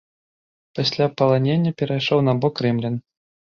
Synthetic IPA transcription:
pasʲlʲapɐlˠanʲenʲːɐpʲɛɾajʂɔwnabɔkːɾɛmlʲin

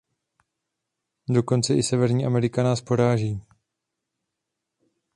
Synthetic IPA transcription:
do̞ko̞nt͡sɛʔɪsɛvɛɾɲiːʔamɛɾɪkanaːspo̞ɾaːʒiː

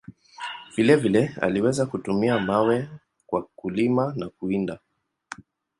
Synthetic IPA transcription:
v̥ilɛvilɛa̰liwɛzakutumiamawɛ | kwakulimanakuinda

